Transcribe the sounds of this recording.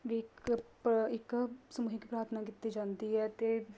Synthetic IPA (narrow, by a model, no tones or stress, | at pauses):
ʋikpɪksəmuːɦikipɾaːɾt̪ʰnaːkit̪ːid͡ʒãːnd̪iɦɛːt̪eː